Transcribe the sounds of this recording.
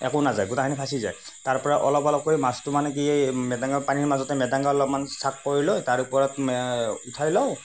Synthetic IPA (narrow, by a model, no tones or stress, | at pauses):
ɛ̰kɔnazajɡutakʰanipʰasiza̰j | taɹpɔɹaʔɔ̰lɔpɔlɔp̚koimastumanɛk̬iemɛdaŋɡapaniɹmazɔtɛmɛdaŋɡalɔbmansakːoɹilɔjtaɹupɔɹɔtutʰajlɔw